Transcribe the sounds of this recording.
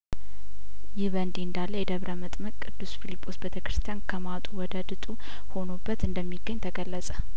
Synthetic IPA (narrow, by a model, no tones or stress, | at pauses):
jɪhβənd̪iɨnd̪alːəjɛd̪əβɾəmət̪ʼməkʼkʼːɨd̪ːusfilipʰʼːo̞sbet̪ʰəkɾɨ̥st̪ʰijankʰəmat̪ʼuwɔd̪əd̪ɨt̪ʼu | ho̞nobːət̪ɨnd̪əmːiɡːəɲːt̪ʰəɡəlːəsʼə